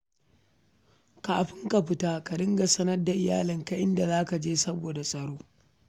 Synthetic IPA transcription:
kaː˨ɸɪ˦ŋka˨ɸɪ˦taː˦ka˨dɪ˦ŋɡa˨sɐ˦nɐ˦rda˨ʔɪ˨ja̰ː˦lɪ˨ŋka˨ʔɪ˦nda˨zaː˦ka˨d͡ʒeː˦sɐ˦boː˨da˨sʼɐ˨ɽoː˦

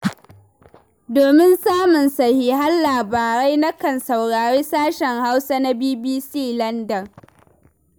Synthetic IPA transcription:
doː˨mɪ˦nsaː˦mʊ˨nsɐ˨hiː˨ɦa˦nlaː˨baː˨ɽa˦jna˦kɐ˨nsa˨wɽaː˨ɾeː˦saː˦ʃɛ˨ŋha˦wsa˦na˦biː˦biː˦siː˦lɐ˦ndɐ˨r

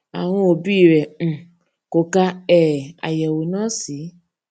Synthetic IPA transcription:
a̰˨w̃ɔ̃˧o˨bi˦˨ɾɛ̃˨ | ko˨ka˧ɛ˦˨a̰˨jɛ˨wo˨nãː˦si˨˦

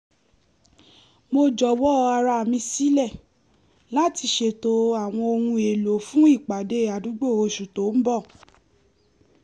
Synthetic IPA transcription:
mo˧d͡ʒɔ˨wɔ˦˧a˧ɾa˧˨mĩ˧si˦lɛ˦˨ | la˨˦ti˧ʃe˨to˦a˦˨w̃ɔ̃˧o˧hũ˧e˨lo˨fũ˦i˦˨k͡pa˨de˦a˨du˨˦ɡ͡bo˦˨o˧ʃu˨to˨˦m̩˦bɔ˦˨

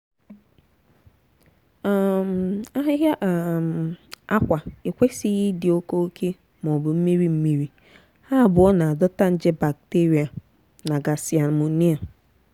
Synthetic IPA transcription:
a˦ɦɪ˦ɦa˦˨ma˦kʷa˨ɪ˨kʷe˦si˦ɣɪ˦dɪ˨o˦ko˦o˦kʰe˦ | m˨ɔ˨bʊ˨m̩˦mi˦ɾi˦m̩˦mi˦ɾi˦ | ha˦˨bʊ˨˦ɔ˦na˨a˨dɔ˦ta˦n̩˦d͡ʒɪ˦ba˨k̚te˦ɾi˨a˨ | na˨ɡa˨si˨a˨mu˨˦ni˦a˨

